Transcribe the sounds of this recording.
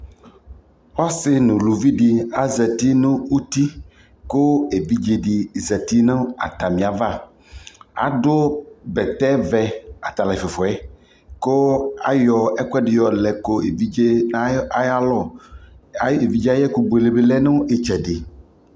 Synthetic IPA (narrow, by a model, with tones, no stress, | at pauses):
wɔ˦sɪ˦nũ˨lu˨vi˦ɖi˦a˦zɛ˨t̪i˦nũ˦wu˦t̪i˦ | ko˦e˨vi˦d͡ʒe˦˨ɖi˨zɛ˨t̪i˦nã˦a̰˨t̪a˨mĩ˨a˨va˦ | a̰˨do˦bɛ˨t̪ɛ˦vɛ˦a˨t̪a˨la˨fe˨fɔ˨ɛ˦ | ko˦a̰˨jɔ˦ɛ˦kʷɛ˦ɖɪ˨jɔ˨lɛ˨ko˦e˨vi˦d͡ʒe˦a˦ja˦lɔ˦˨˦ | e˨vi˦d͡ʒa˦jɛ˦ku˦bo˨e˨le˨be˦lɛ˦nõ˦e˦t͡ʃɛ˨ɖɪ˨